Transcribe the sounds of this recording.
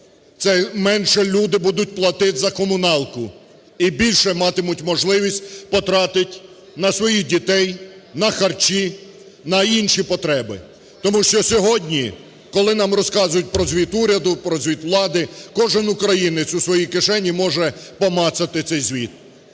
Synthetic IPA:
t̪sɛmɛnʃɛlʲud̪ɪbud̪ʊtʲplˠɐt̪ɪtzɐkɔmʊnɑlˠkʊ | ibʲilʲʃɛmɑt̪ɪmʊtʲmɔʒlˠɪʋʲisʲt̚ʲpɔt̪ɾɑt̪ɪtʲ | nɐsʋɔjidʲit̪ɛj | nɐxɐrt͡ʃi | nɐinʃipɔt̪ɾɛbɪ̰ | t̪ɔmuʃt͡ʃɔsʲɔɦɔdʲnʲi | kɔlˠɪnɑmrɔskɑzʊjʊt̚ʲpɾɔzʲʋʲit̪uɾʲɐd̪ʊpɾɔzʲʋʲit̪ʋlˠɑd̪ɪkɔʒɪnʊkɾɐjinɪt͡s̪ʲʊsʋɔjikɪʃɛnʲimɔʒɛpɔmɑt̪sɐt̪ɪt̪sɛjzʲʋʲit̪̚

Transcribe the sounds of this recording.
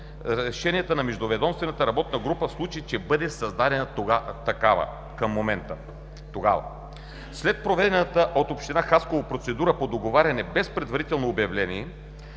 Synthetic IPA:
ɾɛʃɛnijɛt̪ənɐmɛʒd̪ovɛd̪ɔmst̪vɛnɐt̪əɾɐbɔt̪̚nɐɡɾupəslˠut͡ʃit͡ʃɛbɤd̪ɛsɐzd̪ad̪ɛnət̪ɐkavə̰ | kəmːomɛnt̪ə | t̪oɡavɐ̰ | slɛt̪̚pɾovɛd̪ɛnət̪əʔot̪opʃt̪inaxaskovopɾot̪sɛd̪uɾəpod̪oɡovaɾʲɐnɛbɛspɾɛd̪vɐɾit̪ɛlˠnoːbjɐvlɛniɛ

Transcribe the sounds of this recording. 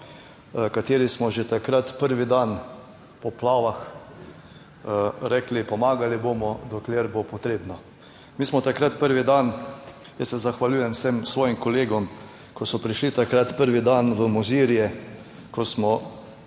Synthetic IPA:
kat̪eːɾismɔʒet̪akɾat̪pəɾʋid̪an | pɔplaːʋax | ɾɛklipɔmaːɡaliboːmɔd̪ɔkleːɾbopɔt̪ɾeːbnɔ | miːsmɔt̪akɾat̪pəɾʋid̪an | jəssɛzaxʋalʲjuːjɛmwsemsʋɔːjimkɔleːɡɔm | kɔsɔpɾiʃlit̪akɾat̪pəɾʋid̪anʋəmuziːɾjɛ | kɔsmɔ

